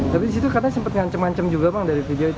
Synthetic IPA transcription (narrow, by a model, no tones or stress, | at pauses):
t̪apidis̬it̪ukarnasəmpət̪̚ŋaɲt͡ʃəmŋaɲt͡ʃəmd͡ʒuɡamaŋdaɾifideoit̪